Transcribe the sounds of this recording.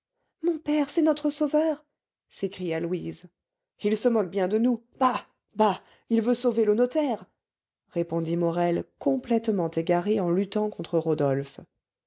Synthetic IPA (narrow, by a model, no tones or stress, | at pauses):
mɔ̃pɛʁsɛnɔt̪χəsovœʁ | sekχijalwiz | ilsəmɔk̚bjɛ̃d̪ənu | b̥a | ba | ilvøsovelonɔt̪ɛʁ | ʁepɔ̃d̪imɔʁɛlkɔ̃plɛt̪mɑ̃t̪eɡaʁeɑ̃lyt̪ɑ̃kɔ̃t̪χəʁod̪ɔlf